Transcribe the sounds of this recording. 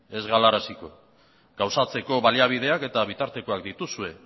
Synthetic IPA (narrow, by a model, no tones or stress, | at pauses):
e̞zɣalaɾasiko̞ | ɡawsat͡se̞ko̞βaliaβ̞ið̞e̞ake̞t̪aβ̞it̪aɾt̪e̞ko̞akd̪it̪usue̞